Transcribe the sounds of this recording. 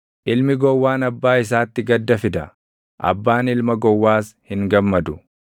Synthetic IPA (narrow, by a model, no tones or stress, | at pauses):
ʔɪlmɪɡɔwːaːnɐbːaːɪs̬aːt̪ːɪɡɐd̪ːɐfɪd̪ɐ | ʔɐ̰bːaːnɪlmɐɡɔwːaːshɪŋɡɐmːɐd̪ʊ